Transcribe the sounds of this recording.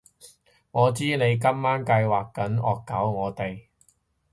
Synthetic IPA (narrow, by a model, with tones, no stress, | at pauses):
ŋɔː˨˧t͡siː˥ne˨˧jk̬ɐ˥mːaː˥nkɐ˧jwaː˨kkːɐ˨˥nɔ̰ː˨kːɐ˨˥wŋɔː˨˧t̪e˨j